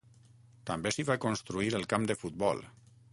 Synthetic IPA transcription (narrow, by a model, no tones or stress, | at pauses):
t̪ambesiβakonst̪ɾuiɾəlˠkamd̪əfut̪̚bɔ̰lˠ